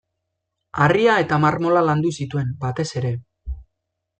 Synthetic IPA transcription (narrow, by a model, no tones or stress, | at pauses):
ariae̞t̪amarmo̞laland̪usit̪ue̞mbat̪e̞se̞ɾe̞